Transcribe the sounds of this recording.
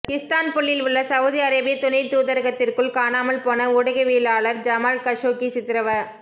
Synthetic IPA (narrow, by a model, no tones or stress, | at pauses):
kɪst̪aːnpɔɭːɪlʋʊɭːɐsɐʊðiɐɾɐbɪjɐt̪ʊnɐɪt̪uːðɐɾɣɐt̪ːɪrkɯɭkaːnaːmɐlpoːnɐʊɽɐɣɐʋiːlaːɭɐɾd͡ʒɐmaːlkɐʂoːkisɪt̪ːɪɾɐʋɐ